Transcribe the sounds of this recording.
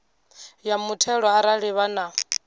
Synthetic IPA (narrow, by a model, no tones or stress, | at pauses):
jamutʰɛɺɔaɾaɺiβana